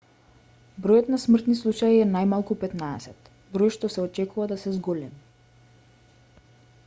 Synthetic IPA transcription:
bɾɔjɔt̪nasmrt̪nislˠut͡ʃaiɛnajmalˠkupɛt̪naɛsɛt̪ | bɾojʃt̪ɔsɛɔt͡ʃɛkuvad̪asɛzɡɔlɛmi

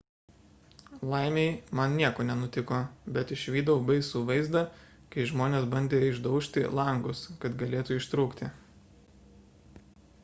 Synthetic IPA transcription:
lˠɐɪmʲeɪmɐnnʲiɛkoːnʲɛnʊt̪ʲɪkoːbʲɛt̪ɪʃʲʋʲiːd̪ɐbɐɪsuːʋɐɪzd̪ɐ | kɐɪʒmoːnʲeːsbɐnʲd̪ʲeːjɪʒd̪ɒʊʃʲt̪ʲɪ̰lˠɐŋɡʊskɐt̪ɡɐlʲeːt̪uɪʃt̪ɾuːkt̪ʲɪ

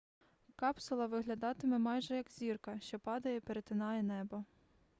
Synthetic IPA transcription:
kɑpsʊlˠɐʋɪɦlʲɐd̪ɑt̪ɪmɛmɑjʒɛjɐkzʲirkɐʃt͡ʃɔpɑd̪ɐjɛpeɾet̪ɪnɑjɛnɛbɔ

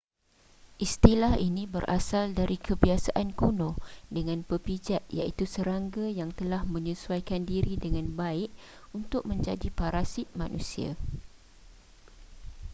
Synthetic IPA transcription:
ʔist̪ilahinĩbəɾʔa̰saldaɾikʰəbiasaʔankonɔ̃dəŋãnpəpid͡ʒat̪̚ja̰ʔit̪usəɾaŋɡajaŋt̪əlahmə̃ɲəsuajkandiɾidəŋãnbaɪʔunt̪ʊk̚mə̃ɲd͡ʒadipaɾasit̪̚mã̰nʔṵ̃sia̰

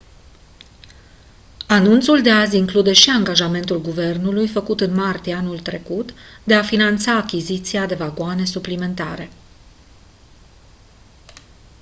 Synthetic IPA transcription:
anunt̪suld̪e̞azʲiŋklud̪e̞ʃiaŋɡaʒame̞nt̪ulɡuve̞rnulujfəkut̪ɨnmart̪ieanult̪ɾe̞kut̪d̪e̞afinant̪saːkʲizit̪siad̪e̞vaɡoane̞suplime̞nt̪aɾe̞

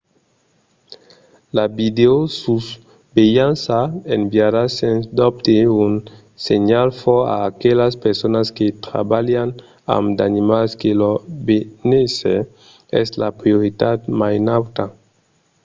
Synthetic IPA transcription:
labid̪eosus | bejansaembjaɾasend̪ɔp̚t̪eun | seɲalfɔa̰ːkelaspeɾsonasket̪ɾa̰baljan | a̰md̪animalskelobenese | ɛslapɾijoɾit̪at̪majnawt̪a

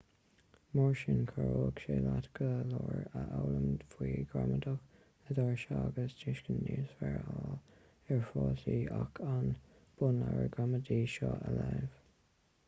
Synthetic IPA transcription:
mɔɹʃɪnkʰəɹoːkʃeːlatɡ̥əlɔːɹəʔawləmfwiːɡɹamədəx | ədɔɹʃaɡəsd͡ʒɪʃkənːiːsvɛɹaːl | ɛɹfɔːsiːʔakʰan | b̥ʊnlaɹəɡɹamədiːʃɑːʔəlaːv̥

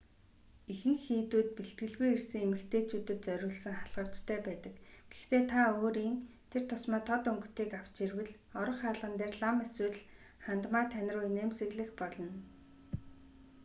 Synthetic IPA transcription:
ixɘ̆ŋxiːt̪uːt̪̚piɬt̪̚ɡɘ̆ɮɣujirsɘ̆ŋemɘ̆kt̪ʰeːt͡ɕʰuːt̪ɘ̆t̪̚t͡sœɾʲʊːɮsɘ̆ŋχaɮʁə̆w̥t͡ɕt̪ʰæːpæːt̪ə̆kɡ̥e̥xt̪ʰeːt̪ʰaoːɾiːnt̪ʰer̥t̪ʰʊsmɔːt̪ʰɔt̪ɵŋɡɵ̆t̪eːkaw̥t͡ɕirwɘ̆ɮ | ɔɾɞ̆χaːɮʁə̆nt̪eːrɮameswɘ̆ɮ | χant̪maːt̪ʰːænʲɪ̆rʊːjneːmsɘ̆ɣɮɘ̆xpɔɮɞ̆n

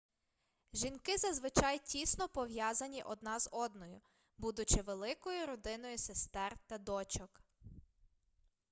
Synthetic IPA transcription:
ʒʲinkɪzɐzʋɪt͡ʃɑjtʲisnɔpɔʋjɑzɐnʲiʔɔd̪nɑzɔd̪nɔjʊ | bud̪ʊt͡ʃɪʋelˠɪkɔjʊɾɔd̪ɪnɔjʊsest̪ɛrt̪ɐd̪ɔt͡ʃɔk

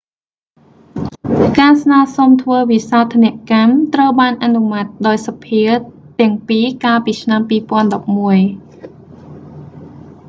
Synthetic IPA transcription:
kaːsnaːsomt̪ʰʋəːʋisaɔt̪ʰːanɛ̆əʔkamt̪rəwɓaːnʔanumat̪̚ɗaɔjsapʰiə | t̪ɛ̆əŋpiːkaːlpiːt͡ɕʰnampiːpŏənɗɑp̚muəj

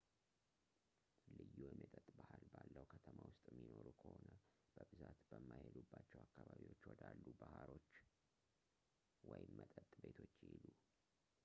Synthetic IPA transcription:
lɨjːujɛmjɛt̪ʼət̪ʼbahalbalːəwkʰət̪ʰəmawʊst̪ʼmːino̞ɾukʰəhonəb̥əbɨzat̪b̥əmːajhed̪ubːat͡ʃːɛwakːaβaβiwo̞t͡ʃːwɔd̪alːubahalo̞t͡ʃː | wɔjɪmːət̪ʼət̪ʼbe̞t̪ʰo̞t͡ʃːjɪhilu

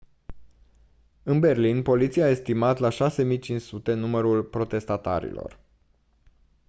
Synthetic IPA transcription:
ɨnbe̞rlinpo̞lit̪siaːe̞st̪imat̪laʃase̞mijt͡ʃint͡ʃsut̪e̞numəɾulpɾo̞t̪e̞st̪at̪a̰ɾḭlo̞̰r

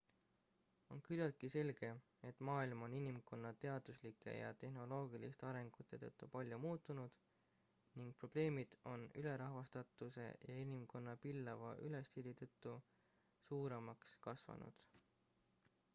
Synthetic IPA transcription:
o̞̰nkylɑt̪̚kise̞lɡ̥e̞ | e̞t̪ːˑmɑːilmo̞ninimko̞nːɑt̪e̞ɑd̪̥uslikːˑe̞̰jɑ̰t̪e̞hɦno̞lo̞ːɡ̥ilist̪ɑɾe̞ŋɡ̥ut̪ːˑe̞t̪ɤ̰t̪ˑːupɑlʲjumuːt̪ːˑunud̪̥ | niŋɡ̥̚pro̞b̥le̞ːmid̪̥o̞nyle̞ɾɑɦvɑst̪ɑt̪ːˑuse̞̰jɑinimko̞nːɑpilːɑvɑ̰ʔyle̞st̪ilːit̪ɤt̪ːu | suːɾemɑkskɑsvɑ̰nṵd̪̥

